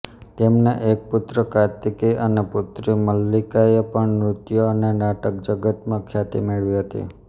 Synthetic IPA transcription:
t̪emneʔek̚put̪ɾəkat̪ikiʔəneput̪ɾiməlːikaepəɳɾʊt̪joənenaʈək̚d͡ʒəɡət̪mãkʰjat̪ḭmeɭʋiɦət̪ḭ

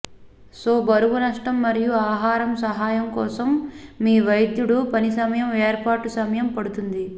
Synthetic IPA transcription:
soːbɐɾuʋunɐʂʈɐmːɐɾijuaːɦaːɾɐmsɐɦaːjɐmkɔːsɐmːiːʋɐjd̪juɽupɐnisɐmɐjɐmeːɾpaːʈusɐmɐjɐmpɐɽut̪und̪i

